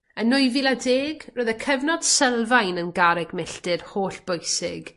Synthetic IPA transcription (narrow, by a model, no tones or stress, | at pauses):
ənʊjvilˠadeːɡroːðəkʰɛvnɔd̥sɛlˠvajnənɡaɾɛɡmɪɬtɪrhoːɬb̥ʊjsɪ̰ɡ̥